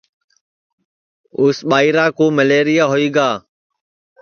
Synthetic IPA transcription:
ʊsɓaːiːɾaːkoːməleːɾɪjaːɦoːiːɡaː

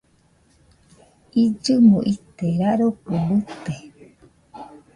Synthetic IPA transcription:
id͡ʒɨmũʔit̪eɾaɾokubɨt̪e

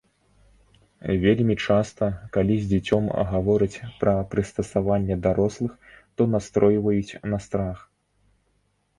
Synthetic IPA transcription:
vʲelʲmʲit͡ʂast̪ɐkalʲizʲd͡zʲat͡sʲɔm̰ɣavɔɾɨt͡sʲpɾɐpɾɨst̪ɐsavanʲːɛd̪aɾɔslˠɨxt̪ɔnast̪ɾɔjvɐjut͡sʲnɐst̪ɾax

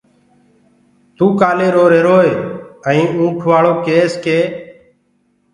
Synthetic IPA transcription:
t̪uːkaːleːɾoːɾeːɾoːeːəĩːũːʈʰʋaːɭoːkeːskeː

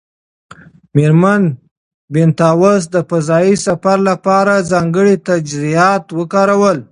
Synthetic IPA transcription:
meɾman | bɪnt̪ɑwas̬d̪əfazɑjisafaɾlapɑɾazɑŋɡəɽit̪ad͡ʒzijɑt̪wəkɑɾawəl

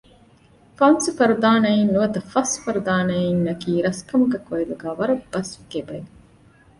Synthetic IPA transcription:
fɐnsufɐɾud̪aːnɐinnuʋɐt̪ɐfɐsfɐɾud̪aːnɐinnɐkiːɾɐskɐmuɡɐkɐed̪uɡaːʋɐɾɐb̥ːɐsʋikebɐe

